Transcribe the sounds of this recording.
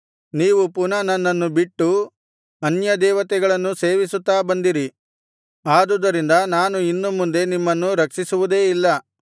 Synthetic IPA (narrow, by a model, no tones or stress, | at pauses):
niːʋupunɐnɐnːɐnːubiʈːu | ɐnjɐd̪ɛːʋɐt̪ɛɡɐɭɐnːuse̞ːʋisut̪ːaːbɐnd̪iɾi | aːd̪ud̪ɐɾind̪ɐnaːnuinːumːund̪e̞nimːɐnːuɾɐkʂisuʋud̪e̞ːilːɐ